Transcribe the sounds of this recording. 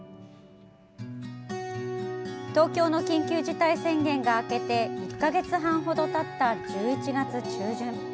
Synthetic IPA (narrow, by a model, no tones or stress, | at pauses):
t̪o̞ːkʲo̞ːno̞kʲĩŋkʲɨːʑit̪aisẽ̞ŋɡẽ̞ŋɡaːke̞t̪e̞ikːaɡe̞t͡sɨɦãɰ̃ɦo̞d̪o̞t̪at̪ːad͡ʑɨːit͡ɕiɡat͡sɨt͡ɕɨːʑɨ̃ŋ